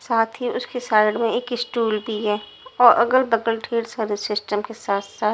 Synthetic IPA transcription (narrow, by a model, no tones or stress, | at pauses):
saːt̪ʰɦiʊskesaːɪɖmẽeːkɪsʈuːlbʱiɦɛː | ɔːɾʔɐ̰ɡəlbɐɡəlʈʰeːɖsəɾʋɪsːɪsʈəmkesaːt̪ʰsaːt̪